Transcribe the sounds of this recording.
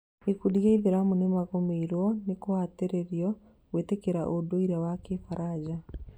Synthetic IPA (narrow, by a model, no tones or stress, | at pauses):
ikudiaiβiɾamunemaɣomeiɾwɔnikohateɾeɾjɔ | ɣweːtekeɾaʔodoiɾawakefaɾad͡ʒa